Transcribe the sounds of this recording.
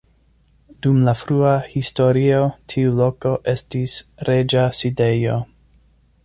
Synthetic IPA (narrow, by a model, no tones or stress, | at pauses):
dumlafɾuahisto̞ɾio̞tʰiulo̞ko̞ʔe̞stisɾe̞d͡ʒaside̞jo̞